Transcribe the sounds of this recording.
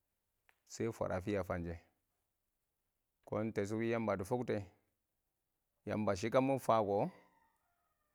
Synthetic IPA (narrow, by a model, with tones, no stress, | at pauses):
se˦fa̰˨ɾʔa˨fi˦ja˨fa˨nd͡ʒe˨ | ko˦nte˨s̬u˦wi˦ja˦mba˨du˨fu˦kte˨ | ja̰˨mba˨ʃ̬i˦ka˦mu˦fa˦˨ɡo˨˦